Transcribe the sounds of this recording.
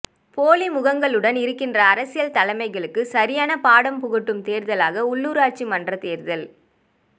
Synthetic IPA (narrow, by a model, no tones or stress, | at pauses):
poːlimʊɣɐŋɡɐɭɯɽɐnɪɾɯkːɪndrɐːɾɐsɪjɐlt̪ɐlɐɪmɐɪɣɐɭɯkːɯsɐɾɪjaːnɐpaːɽɐmpʊɣɯʈːɯmt̪eːɾðɐlaːɣɐʊɭːuːɾaːʈ̚t͡ʃimɐndrɐt̪eːɾðɐl